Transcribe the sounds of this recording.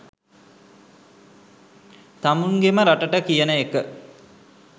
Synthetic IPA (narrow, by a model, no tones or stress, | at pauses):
t̪amuŋɡeməɾaʈəʈəkijənəekə